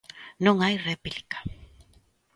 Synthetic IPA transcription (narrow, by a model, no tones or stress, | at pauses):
noŋajrepilkḁ